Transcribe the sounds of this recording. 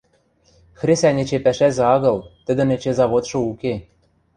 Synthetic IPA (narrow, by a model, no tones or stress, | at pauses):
xrʲesænʲĕt͡ɕepæʃæzĕɑɣɤ̆lˠt̪ɘ̆d̪ɘ̆nĕt͡ɕezɑβot̪ʃɤ̆uke